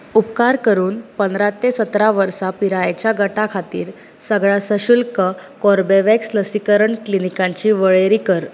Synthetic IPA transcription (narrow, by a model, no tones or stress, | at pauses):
upkaɾkəɾuːnpənd̪ɾat̪esət̪ɾaʋəɾsapiɾajt͡ɕjaɡəʈakʰat̪ḭːɾ | səɡɭasəɕulkəkɔɾbeʋeksləsikəɾəɳklinikãɲt͡ɕiːʋəɭeɾikəɾ